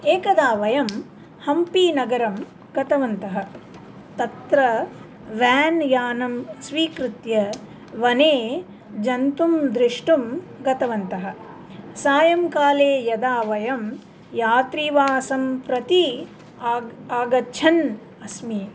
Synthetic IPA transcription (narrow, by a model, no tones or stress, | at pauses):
eːkɐd̪aːʋɐjɐm | hɐmpinɐɡɐɾɐm | ɡ̥ɐt̪ɐʋɐnt̪ɐɦɐ | t̪ɐt̪ɾɐ | ʋæːnjaːnɐmsʋiːkɾut̪jɐ | ʋɐneː | d͡ʒɐnt̪umd̪ɾiʂʈum | ɡɐt̪ɐʋɐnt̪ɐɦɐ̆ | saːjɐmkaːleːjɐd̪aːʋɐjɐm | jaːt̪ɾiʋaːsɐmpɾɐt̪i | aːɡɐt͡ʃʰɐn | ɐsmi